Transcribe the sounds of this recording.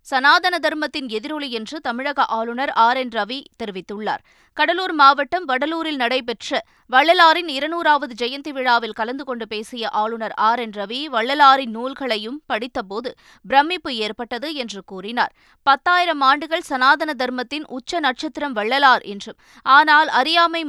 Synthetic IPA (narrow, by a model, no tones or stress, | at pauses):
sɐnaːðɐnɐd̪ɐɾmɐt̪ːɪnɛðɪɾɔɭijɛndrɯt̪ɐmɪɻɐɣɐʔaːɭɯnɐɾaːɾɛnɾɐʋit̪ɛɾɯʋɪt̪ːɯɭːa̰ːɾ | kɐɽɐluːɾmaːʋɐʈːɐmʋɐɽɐluːɾɪlnɐɽɐɪp̬ɛʈrɐ | ʋɐɭːɐlaːɾɪnɪɾɐnuːɾaːʋɐðɯd͡ʒɛjɐnt̪ɪʋɪɻaːʋɪlkɐlɐnd̪ɯkɔɳɖɯpeːsɪjɐʔaːɭɯnɐɾaːɾɛnɾɐʋiʋɐɭːɐlaːɾɪnːuːlɣɐɭɐjɯmpɐɽɪt̪ːɐpoːðɯ | bɪɾɐmːɪpːɯeːɾpɐʈːɐðɯɛndrɯkuːrɪnaːɾ | pɐt̪ːaːjɪɾɐmaːɳɖɯɣɐɭsɐnaːðɐnɐd̪ɐɾmɐt̪ːɪnʔʊt͡ʃːɐnɐʈ̚t͡ʃɐt̪ːɪɾɐmʋɐɭːɐlaːɾʔɛndrɯm | aːnaːlɐɾɪjaːmɐɪ